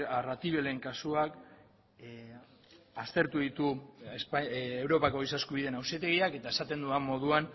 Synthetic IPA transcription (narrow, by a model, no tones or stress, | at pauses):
arat̪iβe̞le̞ŋkasuak | ast̪e̞ɾt̪uðit̪uespewɾo̞pako̞isaskuβ̞iðenawset̪̬e̞ɣ̞iake̞t̪ae̞sat̪e̞nd̪uamːo̞ð̞uan